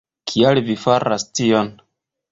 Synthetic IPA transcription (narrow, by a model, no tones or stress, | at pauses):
kʰialvifaɾʔastion